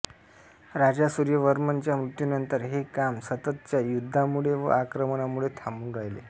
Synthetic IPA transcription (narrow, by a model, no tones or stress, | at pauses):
ɾad͡ʑasuɾjəʋəɾmənt͡ɕjamɾut̪junənt̪əɾɦekamsət̪ət̪̚t͡ɕjajud̪ʱːamuɭeʋə̰akɾəmənamuɭet̪ʰamuːnɾaɦjlḛ